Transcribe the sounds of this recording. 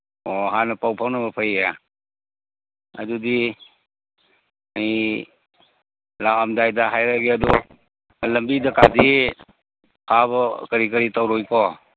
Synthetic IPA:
ɔɦanɐpawpʰawnabɐpʰaja | a̰dudi | aj | lawamdajdaɦajɾaɡiadɔ | lɐmbidakadi | pʰabkəɾikəɾitawɾɔjkʰɔ

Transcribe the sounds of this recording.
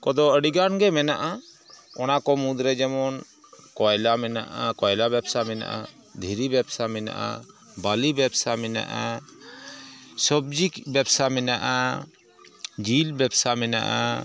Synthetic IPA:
kɔd̪ɔəɽiɡanɡɛmɛnaʔa | ɔnakɔmũd̪ɾɛd͡ʒɛmɔn | kɔjlamɛnaʔakɔjlabɛbsamɛna̰ʔa | d̪ʱiɾibɛbsamɛna̰ʔa̰ | balibɛbsamɛna̰ʔa | sɔb̚d͡ʒikbɛbsamɛnaʔa | d͡ʒilbɛbsamɛna̰ʔa̰

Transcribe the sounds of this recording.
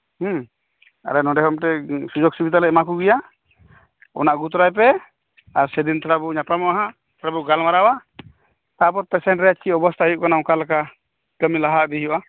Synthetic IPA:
h̩ | a̰ɾɛnɔ̃ɖɛɦɔmʈɛsud͡ʒɔɡ̚sibid̪alɛʔmakuɡɛja | ɔ̰naʔɡut̪̬ɔɾajp̬ɛ | aɾsɛd̪int̪ʰaɾabuɲapamɔaɦa | t̪ʰaɾabuɡalmaɾawa | t̪apɔɾpɛsɛɳʈɾɛjaʔt͡ʃiɔbɔst̪ʰajuʔkanãkalaka | kəmilaɦaʔd̪ɛɦjuʔa

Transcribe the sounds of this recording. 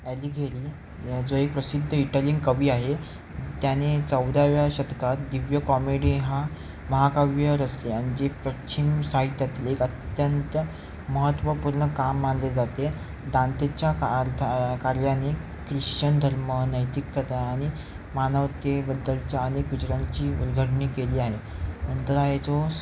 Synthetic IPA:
ɛliːɡʱeɾiː | d͡zoek̚pɾəsid̪ʱːəiʈəliŋɡkəʋiːaɦe | t̪janet͡səwd̪aʋjaɕət̪kat̪d̪iʋjəkɔmeɽiɦa | məɦakaʋjəɾəsleaɽ̃id͡ʑepɾət͡ɕʰimsaɦit̪jat̪ilekət̪jənt̪ə | məɦət̪ːʋəpuɾɳəkamːanled͡zat̪e | d̪ãnt̪et͡ɕjat̪ʰkaɾjane | kɾiɕt͡ɕənd̪ʱəɾmənəjt̪ikːət̪aːɽ̃i | manəʋt̪ebəd̪əlt͡ɕjaənekɡud͡ʑɾãɲt͡ɕiːṵlɡʱəʈɳiːkeliːaɦenənt̪əɾaɦet͡so

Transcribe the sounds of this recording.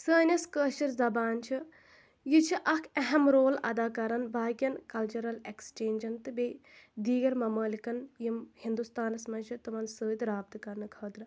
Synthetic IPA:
səːnʲɐskəːʃɐɾzɐbaːnt͡ʃʰi | jit͡ʃʰiʔɐkʰɐɦɐmɾoːlɐ̰d̪aːkɐɾɐnbaːɡʲɐnkɐlt͡ʃɐɾɐlekst͡ʃeːnʲd͡ʒɐnt̪ɨbed̪iːɡɐɾmɐmɐːlikɐnjimhind̪ust̪aːnɐsmɐnʲt͡ʃʰit̪ɨʋɐnsəːd̪ɾaːb̚t̪ɨkɐɾnɨkʰɐːd̪ɾɨ

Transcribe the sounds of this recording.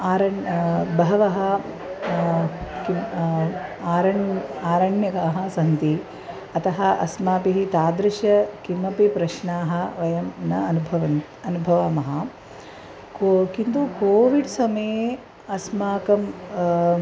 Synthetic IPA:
aːɾɐbɐɦɐʋɐɦɐ | ki | aːɾɐɳaːɾɐɳjɐkaːɦɐsɐnt̪i | ɐt̪ɐɦɐʔɐsmaːpiɦit̪aːd̪ɾɐʃɐkimːɐpipɾɐʃɳaːɦɐ̆ʋɐjɐmnɐɐnubʱɐʋɐ | ɐnubʱɐʋamɐɦɐ | kokint̪ukoːʋiɖsɐme | ɐsmaːkɐm

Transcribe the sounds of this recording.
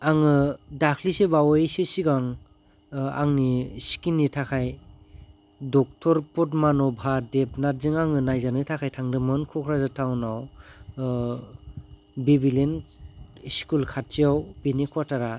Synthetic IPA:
aŋɯdakʰlisebawesesiɡaŋ | a̰ŋnisi̥kinːitʰakʰaj | dɔk̚tʰɔɾpɔt̬manɔbʱaɾdep̚natzɯŋaŋɯnajzanɯtʰakʰajtʰaŋdɯmɯnkʰɔkʰɾazatʰawnaw | bebilen | skulkʰat̚ːijawbenekʰwataɾa

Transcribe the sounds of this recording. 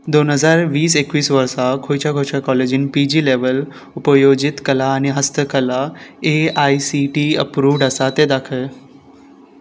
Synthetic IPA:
d̪onɦəzaɾʋiːsekʋiːsʋəɾsakʰojt͡ʃaɡʱoːʃakɔled͡ʒɪnpid͡ʒileʋəl | ʊpəjod͡ʒɪt̪kəlaəneɦəst̪ʰəkəlaeaːisiʈiə̰pɾuːʋɖəsat̪ed̪akʰə

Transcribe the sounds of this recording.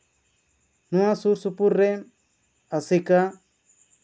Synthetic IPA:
nũãsuɾsupuɾːe | asika

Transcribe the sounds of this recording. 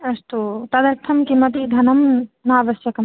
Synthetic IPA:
ɐst̪ot̪ɐd̪ɐɾt̪ʰɐmkimɐd̪id̪ʱɐnɐmnaaʋɐsjɐkɐm

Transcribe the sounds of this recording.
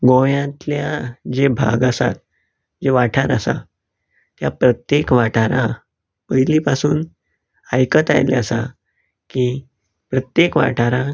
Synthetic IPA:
ɡoʋjãt̪ljad͡ʑebʱa̰ɡasa̰t̪̚ | d͡ʑeʋaʈʰaɾəsa̰ | t̪japɾət̪jekʋaʈʰaɾã | pəjlipasuːn | ajkət̪a̰jlḛasa | kiː | pɾət̪jekʋa̰ʈʰaɾã

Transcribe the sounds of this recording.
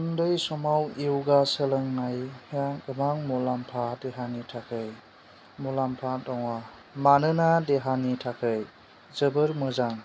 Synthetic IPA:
ndɯjsɔmawiwɡasələŋːajjaɡəmaŋmɔlampʰadeɦanitʰakʰɯj | mɔlampʰadɔŋa | manɯnadeɦanitʰakʰɯj | zəbɯɾmɯzaŋ

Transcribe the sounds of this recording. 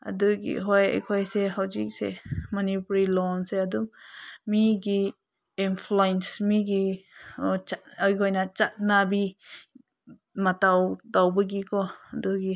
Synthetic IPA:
a̰duɡḭɦɔja̰jkʰɔjseɦawzik̚sḛmɔnipuɾilɔnseaduŋmiɡiː | npʰluensmiɡi | t͡ʃajkʰɔjnat͡ʃat̚nabi | matawdawbəɡikɔaduɡi

